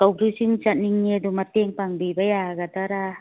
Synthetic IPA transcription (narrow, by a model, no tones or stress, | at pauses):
kawbɾisiŋt͡ʃaniŋedumat̪eŋpaŋbibajaɡat̪aɾa